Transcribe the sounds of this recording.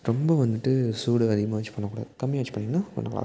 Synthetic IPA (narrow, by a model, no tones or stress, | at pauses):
ɾɔmbɐʋɐnd̪ɯʈːɯsuːɽɯɐðɪɣɐmaːʋɐt͡ʃːɯ̥pɐːnːɐkuːɽa̰ːðɯkɐmːɪjɐʋɐt͡ʃːɯ̥pːɐɳːɪŋɡɐnaːnːɐŋɐɭa̰